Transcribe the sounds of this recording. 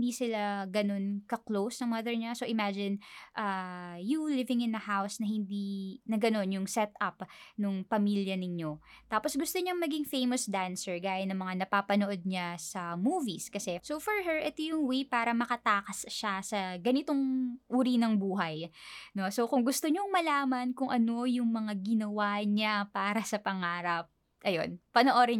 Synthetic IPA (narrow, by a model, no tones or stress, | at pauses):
nd̪isɪlaɡɐno̞nkɐklowsnɐŋmɐðɛɹɲasoʔɪmad͡ʒɪnʔajulɪvɪŋɪ̃nɐhawsnɐhɪnd̪inɐɡɐno̞njʊŋsɛt̪ɐpnʊŋpɐmiljɐnɪɲo̞t̪aːposɡʊst̪oɲɐŋmɐɡɪŋfejmosd̪ansɛɹɡaːjɐnːɐŋmɐŋanɐpapɐnoʔod̪̚ɲasɐmuːviskɐsɛsofɔɹɦɛɹʔɛt̪ojʊŋwejpaːɾɐmɐkɐt̪aːkɐsʃasɐɡɐnɪt̪oŋʔuːɾinɐŋbuːɦɐjno̞sokʊŋɡʊst̪oɲoŋmɐlaːmɐnkʊŋʔɐno̞jʊŋmɐŋaɡɪnɐwaɲapaːɾɐsɐpɐŋaːɾɐp̚ | ʔɐjo̞̰npɐnoʔoɾɪ